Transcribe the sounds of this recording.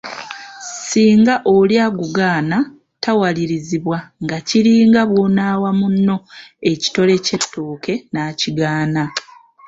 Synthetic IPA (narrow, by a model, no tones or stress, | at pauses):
siːŋɡaʔoljaːɡuɡaːna | tawaliɾiziβwaŋɡaciɾiːŋɡaβwo̞naːwamunːo̞e̞ci̥to̞le̞ce̞tːoːke̞naːciɡaːna